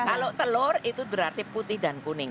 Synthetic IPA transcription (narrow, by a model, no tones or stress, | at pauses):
kalot̪əlʊrit̪ud̪əɾart̪iput̪ɪhd̪ankunɪŋ